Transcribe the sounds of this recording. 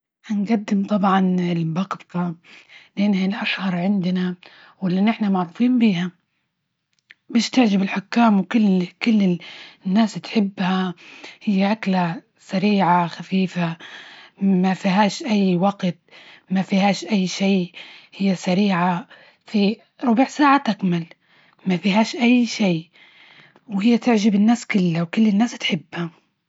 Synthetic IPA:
ʔanɡad̪ːɪmt̪ˤɑbʕɑnɪlbɑɡt̪ˤɑlɪʔanːhalʔaʃhɑɾˤʕɪnd̪na | wɪlːanːʔɪħnamaʕɾuːfiːnbiːha | bɪːʃt̪ɪʕd͡ʒabɪlħʊkːaːmwkʊlːkʊlːɪnːaːst̪ħɪbːhahɪjːaʔakla | saɾiːʕaxafiːfa | mafiɦaːʃʔajːwaɡt̪mafihaːʃʔajːʃeːhɪjːasaɾiːʕa | fi | ɾˤʊbiːʕsaːʕat̪akmal | mafiɦaːʃʔajːʃeː | whɪjːat̪ɪʕʒɪbɪnːaːskʊlːawkɪlːɪnːaːst̪ħɪbːha

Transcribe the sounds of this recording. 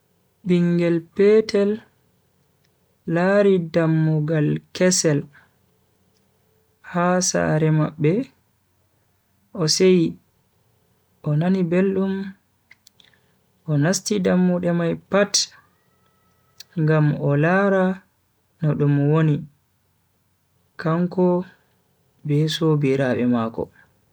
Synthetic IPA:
biŋɡɛlpɛtʰɛl | aɾidamːuɡalkɛsɛl | hasa̰ɾɛmaɓːɛ | ʔɔseji | ʔɔnanibelɗum | ʔɔnastidamːuɗɛmajpat | ŋɡamʔɔlaɾa | nɔɗumwoni | kaŋkɔ | bɛsobiɾaɓɛmaːkɔ̰

